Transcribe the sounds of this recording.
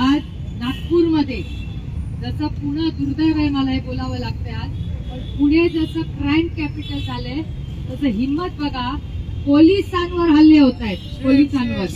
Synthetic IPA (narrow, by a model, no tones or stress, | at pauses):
aɾ | nat̚puɾməd̪ʱːje | d͡zəsəpuɽ̃əd̪uɾud̪əjʋəjməlaɦibolaʋəːlaɡ̚t̪əjat̪pəɳpuɽed͡zəsəkɾajmkæpiʈəld͡zʱale | t̪əsəɦimːət̪̚bʱəɡʱapolisãnʋəɾɦalːeɦot̪ajt̪̚polisanʋəɾ